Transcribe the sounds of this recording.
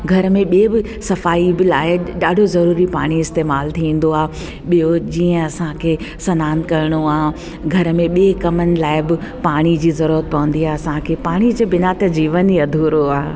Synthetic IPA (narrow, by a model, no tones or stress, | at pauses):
ɡʱɐɾəmẽɓiebɪ | sɐfaːibɪlaːɪɗaːɖʱozɐɾuːɾipa̰ːɽ̃iɪst̪eːmaːlt̪ʰiʋĩːn̆d̪oaː | ɓijod͡ʑiːə̃ɐsãkʰeːsɐnaːnkɐɾɪɽ̃oaːɦ | ɡʱɐɾəmẽɓiekɐmənɪ̆laːɪbɪpaːɽ̃id͡ʑiːzɐɾuːɾət̪̚pɐʋə̃n̆d̪iaːɦeɐsãkʰepaːɽ̃id͡ʑeːbɪnat̪ɐd͡ʑiːʋəniɐd̪ʱuːɾoaːɦe